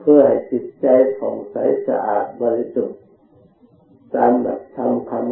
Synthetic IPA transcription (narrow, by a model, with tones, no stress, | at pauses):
pʰɯː˧˩ɐha˨˩jt͡ɕi˨˩t̪̚t͡ɕa˧jkʰɔː˩˦ŋsa˨˦jsa̰˧ʔa̰ː˨˩t̪̚bɔː˧li˧su˨˩t̪̚ | saː˨˦mla̰˨˩t̚t̪ʰːa˧mkʰa˧m